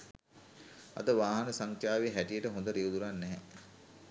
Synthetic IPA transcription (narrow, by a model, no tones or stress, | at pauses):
ɐ̰d̪əʋaːɦɐnəsaŋkʰjaːʋeɦæʈijəʈəɦond̪əɾiud̪uɾanːɛɦɛ